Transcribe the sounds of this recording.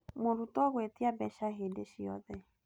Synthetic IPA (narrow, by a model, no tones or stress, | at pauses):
moɾutɔɣet̪iabɛʃaɦedeʃijɔ̰ðɛ